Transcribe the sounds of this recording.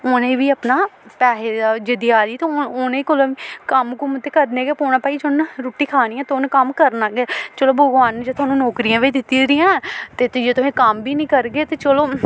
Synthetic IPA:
onẽːʋiːəpnaːpɛːɦeːd̪ad͡ʒɪd̪ijaːliːt̪oʊnẽːkolõʋiːkəmkumt̪ːeːkəɾneɡeːpoːɳãːpaːid͡ʒʊnɾuːʈːiːkʰaːniːãːt̪eonẽːkəmkəɾnaːɡɛːt͡ʃəloːbʱəɡʋaːnd͡ʒeːt̪ʊaːnũːnɔːkɾiãːʋiːd̪ɪt̪ːiːɾɪjãːt̪eːt̪d͡ʒeːt̪ʊsẽːkəmbiːnĩːkəɾɡeːt̪eːt͡ʃəloː

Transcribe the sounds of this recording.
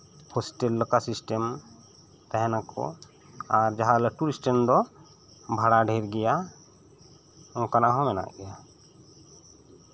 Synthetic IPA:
hɔsʈɛlːəkasisʈem | t̪ɛɦɛnakʰɔ̰ | aɾd͡ʒaɦaləʈuɾisʈəmd̪ɔ | bʱaɽaɖʱɛɾɡɛja | ɔ̃kanaʔɦɔ̃mɛna̰ʔɡɛja

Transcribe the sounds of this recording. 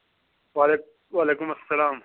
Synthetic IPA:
wale | waːleːkʊmɐsːɐlaːm

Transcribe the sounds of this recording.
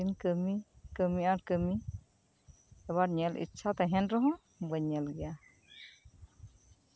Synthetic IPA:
inkəmikəmiaɾkəmi | ɛβaɾɲɛlḭtːʃʰat̪aɦɛnɾɔɦɔ̃ | bəɲːɛlɡɛja

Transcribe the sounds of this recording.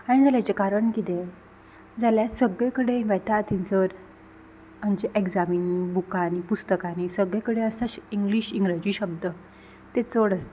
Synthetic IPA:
aɽ̃id͡zaljat͡ɕekaɾəɳkit̪e | d͡zaljasəɡɭekəɽeʋɛt̪at̪ʰint͡səɾ | amt͡ɕeʔekd͡zaminibukanipust̪əkanisəɡɭjekəɽeəsaɕiŋɡliɕiŋɡɾead͡ʑiːɕəb̚d̪ə | t̪et͡soɽəst̪ə

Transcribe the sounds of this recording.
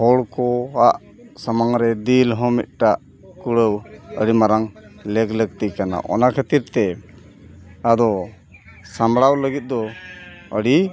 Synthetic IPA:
hɔɽkɔaʔ | samaŋɾɛd̪ilɦɔ̃mḭt̪̚ʈaʔ | kuɽəwəɽimaɾaŋlɛɡləɡ̚t̪ikana̰ʔɔ̰nakʰet̪iɾt̪ɛ | ad̪ɔ | samɽawləɡit̪̚ˀd̪ɔ | əɽi

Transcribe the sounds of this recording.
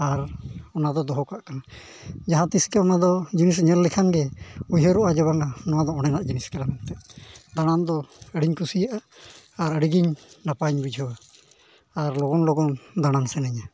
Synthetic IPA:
aɾɔnad̪ɔd̪ɔɦɔkaʔkana | d͡ʒaɦãt̪iskɛɔnad̪ɔd͡ʒinis̬ɲɛlːɛkʰaŋɡɛujɦeɾuʔad͡ʒɔβaŋanɔwad̪ɔɔɽ̃ɛnaʔd͡ʒiniskɛɾamɔnt̪ɛʔd̪aɽ̃and̪ɔəɽiɲkusijaʔaː | ɾəɽiɡiɲnapaɲbud͡ʒʱɔwaː | ɾlɔɡɔnlɔɡɔnd̪aɽ̃ansɛnaɲa

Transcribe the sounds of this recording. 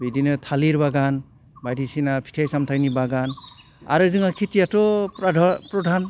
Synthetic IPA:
bidinɯtʰaliɾbaɡan | bajdisinapʰi̥tʰajsamtʰajnibaɡan | a̰ɾɯzɯŋakʰitijatɔdpɾɔdʱan

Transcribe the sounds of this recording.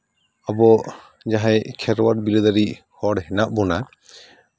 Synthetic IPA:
abɔ | d͡ʒaɦajkʰɛɾwaɾbilɔd̪aɾihɔɽɦɛnaʔ̚bɔna

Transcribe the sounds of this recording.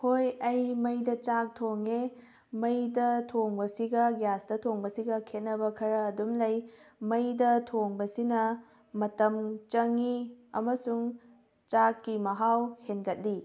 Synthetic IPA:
hojɐjmɐjdɐt͡ʃak̚tʰoŋe | mɐjdɐtʰoŋbɐsiɡɐɡjasdɐtʰoŋbɐsiɡɐkʰet̚nɐbɐkʰɐɾɐːdumlɐjmɐjdɐtʰoŋbɐsinɐ | mɐtɐmt͡ʃɐŋiɐmɐsuŋ | t͡ʃakːimɐɦawhenɡɐt̚li

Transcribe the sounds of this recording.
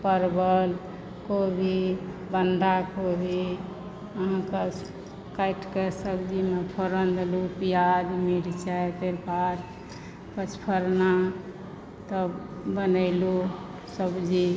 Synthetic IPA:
pəɾbəl | kobʱibənd̪akobʱi | əɦãke | kajʈkesəbd͡ʒimepʰəɾənd̪elupijad̪miɽit͡ʃajt̪eɾbad̪ | pət͡ʃʰpʰəɾna | t̪əbənəɪlu | səbd͡ʒi

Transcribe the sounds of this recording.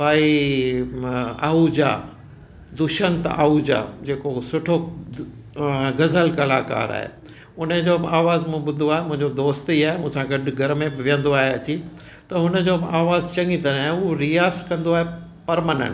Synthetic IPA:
ʋaːi | aːud͡ʑa̰ | d̪ʊʃənt̪a̰ːud͡ʑa̰d͡ʑeːkosʊʈʰo | ɡɐzəlkɐla̰ːka̰ːɾa̰ːɦḛ | ʊnəd͡ʑoːaːʋaːzmũɓʊd̪ʱoaːɦemʊ̃ɦɪ̃ɲd͡ʑod̪oːst̪iːaːɦemũːɪ̃sãɡɐɖʊ̆ɡʱɐɾmẽbɪʋijə̃nd̪oaːɦeɐt͡ɕi | t̪ɐɦʊnə̆d͡ʑoːaːʋaːzt͡ɕɐ̃ŋɡit̪ɐɾaːɦeʊɦoɾiaːskɐ̃nd̪oaːɦe | pɐɾmənə̰̃ɳʈ

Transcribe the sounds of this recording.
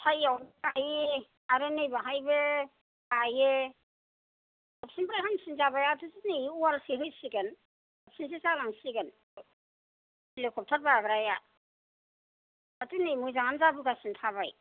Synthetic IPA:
hʰajawbkaje | aɾɯnɯjbaɦajbe | kaje | ap̚sinbɾajɦansinzabajatʰusiniualsiɦɯjsiɡen | ap̚sins̬isalaŋsiɡen | ilekʰɔp̚tʰat̚baabɾaja | atɯnijmujzaŋanzabɯɡasintʰaβaj

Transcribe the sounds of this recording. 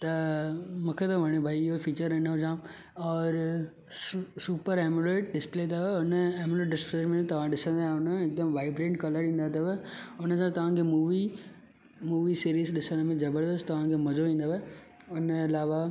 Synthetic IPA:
t̪ɐmũːkʰet̪ɐʋɐɽ̃ebʱaːiɪɦofiːt͡ɕəɾɪnəɦʊd͡ʑãː | ɔːɾ | suːpəɾɛːmuleːʈ̚ɖɪspleːt̪aʋeʊnəeːmuleːʈɖɪspleːʈmẽt̪ɐʋ̤ãɗɪsə̃nd̪aːɦẽʊnəɪk̚d̪əmʋaːɪbɾẽːɳʈkɐləɾĩːnd̪aɦt̪ɐʋeʊnəsãt̪ɐʋ̤ãkʰeːmuːʋi | muːʋisiːɾiːzɗɪsəɽ̃mẽzɐbəɾd̪əst̪t̪ɐʋ̤ãkʰeːmɐzoʋĩːnd̪aʋe | ʊnɪlaːʋa

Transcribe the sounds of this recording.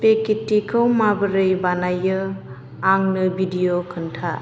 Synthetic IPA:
pekitːikʰɯwmabɯɾɯjbanajɯ | aŋnɯbʱidijokʰɯntʰa

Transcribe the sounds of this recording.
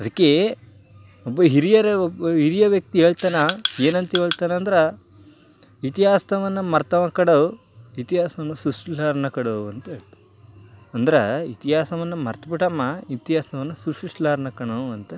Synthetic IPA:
ɐd̪ɐkːe | obːɐɦiɾijɐɾeobɐɦiɾijɐʋjɐk̚t̪iɦeːɭt̪aːnaeːnɐnt̪ɐɦeːɭt̪aːnɐːnd̪ɾɐ | it̪iɦaːst̪ɐʋɐnːɐmɐɾt̪ɐmɐkɐɽɐu | it̪iɦaːsɐʋɐnːɐsuʂʈlaːɾnɐkɐɽɐɐnt̪ɐeɭt̪ɐ̥ | ɐnd̪ɾɐit̪iɦaːsɐʋɐnːɐmɐɾt̪ɐbiʈɐmːɐit̪iɦaːst̪ɐʋɐnːɐsuʂuʂʈlaːɾnɐkɐɳɐɐnt̪ɐ

